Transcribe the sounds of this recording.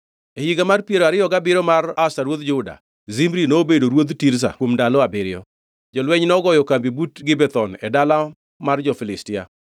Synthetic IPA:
ehiɡamarpjeɾoaɾɪjɔɡabɪɾɔmaɾasaɾwod̪d͡ʒʊda̰ | zimɾinoːbedoɾwod̪tiɾs̬a̰womndalɔabɪɾɪjɔ̰ | d͡ʒɔlwɛɲnɔɡɔjɔkambibutɡɪbɛt̪ɔnɛdala | mard͡ʒɔfɪlɪstɪja̰

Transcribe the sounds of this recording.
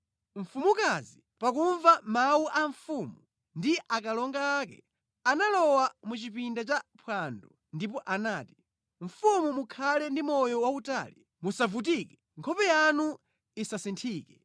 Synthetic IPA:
ɱ̩fumukazi | pakuɱvamawuʔaɱfumu | ndiʔakalɔŋɡaːkɛ̰ | analɔwamut͡ʃipindat͡ʃapʰwandɔ | ndipɔʔanaːti | ɱ̩fumumukʰalɛndimɔjɔwauta̰ːli | musavut̬iːkɛ | ŋkʰɔpɛjanu | isasintʰiːkɛ

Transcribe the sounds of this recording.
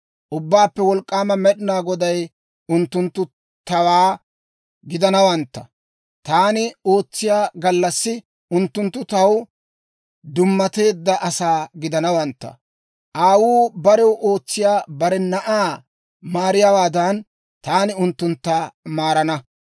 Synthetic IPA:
ʔʊbːaːpːɛwɔlkʼːaːmɐmɛɗɪnaːɡɔd̪ɐj | ʊnt̪ːʊnt̪ːʊ | t̪ɐwaː | ɡɪd̪ɐnɐwɐnt̪ːɐ̰ | t̪aːnɪo̞ːt͡sːɪjaːɡɐlːɐsːɪ | ʔʊnt̪ːʊnt̪ːʊt̪ɐw | d̪ʊmːɐt̪e̞ːd̪ːɐʔɐsaːɡɪd̪ɐnɐwɐnt̪ːɐ̰ | ʔaːwuːbɐɾɛwʔo̞ːt͡sːɪjaːbɐɾɛnɐʔaː | maːɾɪjawaːd̪ɐn | t̪aːnɪʊnt̪ːʊnt̪ːaːmaːɾɐnɐ

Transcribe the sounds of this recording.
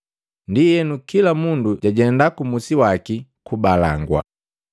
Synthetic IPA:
ndijɛnukilamunduɟaɟɛndakumusiwakikubala̰ŋɡwa̰

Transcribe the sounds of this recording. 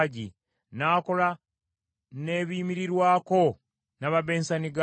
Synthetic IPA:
ɟḭ | naːko̞la | ne̞βiːmiɾiɾwaːko̞ | naβaβe̞ːnsaniɡa

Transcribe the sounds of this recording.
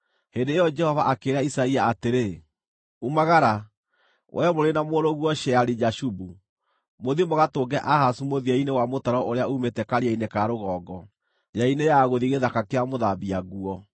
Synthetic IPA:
hendeːjɔd͡ʒɛhɔvaʔakeɾaisaiaːteɾe | umaɣaɾa | wʔɛmoɾenamoɾoɣuɔʃɛaɾid͡ʒaʃubu | moðimoɣatoɡɛʔahasumoðiainewamotaɾɔʔoɾeaumetɛkaɾiainekaɾoɣɔːɡɔ | jainejaɣoðiɣeðakakeamoðabiaɣuɔ

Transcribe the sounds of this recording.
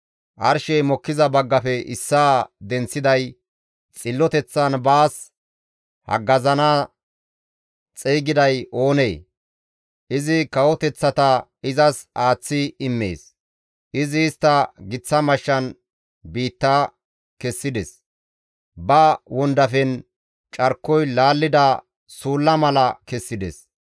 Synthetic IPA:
ʔɐɾʃɛjmɔkːɪzɐbɐɡːɐfɛɪsːaːd̪ɛnt͡sːɪd̪ɐj | t͡sʼɪlːɔt̪ɛt͡sːɐnbaːs | hɐ̰ɡɐzɐnaː | t͡sʼeːɡɪd̪ɐjo̞ːneː | ʔɪzɪkɐwɔt̪ɛt͡sːɐt̪ɐɪzɐsaːt͡sːɪɪmːḛːs | ʔɪzɪːst̪ːɐɡɪt͡sːɐmɐʃːɐn | biːt̪ːa | kɛsːɪd̪ɛs | bɐwɔnd̪ɐfɛn | t͡ʃʼɐɾkːɔjlaːlːɪd̪ɐ | suːlːɐmɐlɐkɛsːɪd̪ɛ̰s

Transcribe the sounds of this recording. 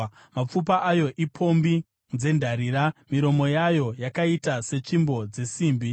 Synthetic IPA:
map͡fup̬aʔajo̞ʔipʰo̞mbi | nd͡ze̞ndʱaɾiɾamiɾo̞mo̞jajo̞jakaitase̞t͡ʃimbo̞d͡ze̞siːmbi

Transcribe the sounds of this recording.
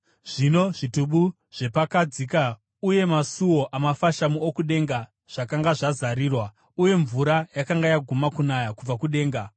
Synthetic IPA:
ʐ̥ino̞ʐituɓu | ʐ̥e̞pakad͡zika | uje̞masuwo̞ʔamafaʃamuokuɗe̞ŋɡa | ʐ̥akaŋɡaʐazaɾiːrwa | uje̞ɱvuɾajakaŋɡajaɡʱumakunajakub͡vakuɗe̞ːŋɡa

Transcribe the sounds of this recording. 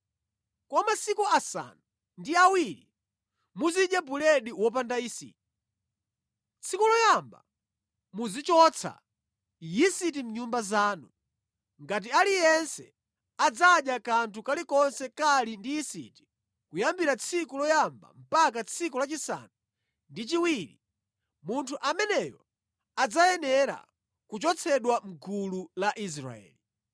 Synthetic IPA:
kwɔmasikuasa̰nu | ndiawiɾi | muziɗjabulɛɗiwɔp̬andajisḭːti̥ | t͡sʰikulɔjamba̰ | muzit͡ʃɔt͡sʰa̰ | jisit̬im̩ɲumbazaːnu | ŋɡat̬ialijɛnsɛ̰ | ad͡zaɗjakantʰukalikɔnsɛkalindijisḭti̥ | kujambiɾat͡sʰikulɔjamba̰m̩pakat͡sʰikulat͡ʃisa̰nu | ndit͡ʃiwiɾḭ | muntʰuʔamɛnɛjɔ | ad͡zajɛnɛɾa̰ | kut͡ʃɔt͡sʰɛɗwam̩ɡululaʔis̬ɾa̰ɛ̰ːli

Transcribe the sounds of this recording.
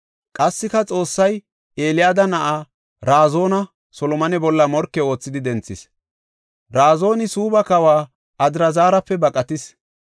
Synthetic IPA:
kʼɐsːɪkɐt͡sʼo̞ːsːɐj | e̞ːlɪjaːd̪ɐnɐʔaː | ɾaːzo̞ːnɐ | sɔlɔmɐnɛbɔlːɐmɔɾkːɛo̞ːt͡sːɪd̪ɪd̪ɛnt͡sːɪs | ɾaːzo̞ːnɪsuːbɐkɐwaː | ɐd̪ɪɾɐzaːɾɐpːɛbɐkʼɐt̪ɪs

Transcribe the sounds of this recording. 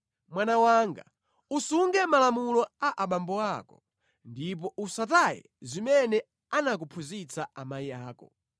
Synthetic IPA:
mwanawaːŋɡa̰ | usuŋɡɛmalamulɔaʔaɓambɔakɔ | ndip̬ɔʔusatajɛ̰zimɛnɛ | anak̬upʰuzit͡sʰaʔamaiaːkɔ̰

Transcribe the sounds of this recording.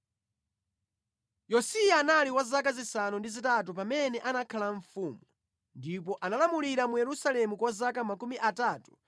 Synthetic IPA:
jɔsijaːnaliwazakazisanundizitat̬upamɛnɛʔanakʰalaɱfuːmu | ndipɔʔanalamuliɾamujɛɾusalɛmukwazakamakumiʔataːtu̥

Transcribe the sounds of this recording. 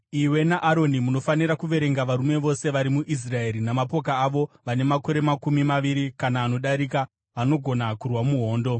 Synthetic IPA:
iwe̞naʔaɾo̞nimuno̞fanirakuʋe̞ɾe̞ŋɡaʋaɾume̞ʋo̞se̞ʋaɾimuʔis̬rae̞ɾinamapo̞kaːʋo̞ʋane̞mako̞ɾe̞makumimaʋiɾikanaːno̞ɗaɾika | ʋano̞ɡʱo̞nakurwamuɦo̞ːndo̞

